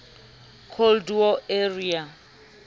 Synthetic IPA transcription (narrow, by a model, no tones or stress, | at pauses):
kʰoldɔeria